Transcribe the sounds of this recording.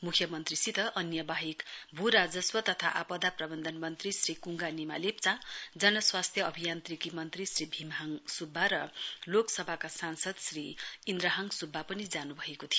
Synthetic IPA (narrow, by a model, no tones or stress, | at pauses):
mukʰjʌmʌnt̪risit̪ʌʔʌnjʌbaɦikbʱuɾad͡zʌswʌt̪ʌt̪ʰa̰ʔapʌd̪aprʌbʌnd̪ʱʌnmʌnt̪risrikuŋɡanima̰lep̚t͡sad͡zʌnʌswast̪ʰjʌʌbʱijant̪rikimʌnt̪risribʱimɦaŋsubʱːaɾʌloksʌbʱakasansʌd̪sriind̪ɾʌɦʌŋsubʱːapʌnid͡zanubʱʌekot̪ʰijo